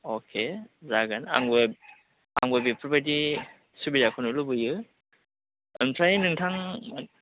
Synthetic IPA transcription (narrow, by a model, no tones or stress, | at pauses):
okʰezaɡana̰ŋbɯ | aŋbabipʰuɾbadi | subiɾakʰɔnulɯbɯjɯ | ɯnpʰɾajnɯŋtʰaŋ